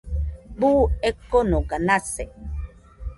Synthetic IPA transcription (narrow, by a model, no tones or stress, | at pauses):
buːekːonokanase